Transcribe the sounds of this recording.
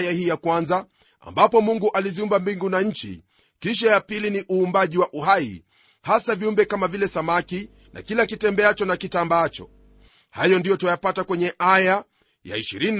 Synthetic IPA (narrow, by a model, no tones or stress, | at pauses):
jahiːjakwanza | a̰mbapɔmuŋɡuʔaliziumbambiŋɡunaɲ̩t͡ʃḭ | kiʃajapiliniʔuːmbaʄiwaʔuɦaḭ | hasaviumbɛkamavilɛsamaki | nʔa̰kilakitɛmbɛat͡ʃɔnakitambaːt͡ʃɔ̰ | hajɔndijɔtuajapatakwɛɲɛʔaja | ja̰iʃiɾin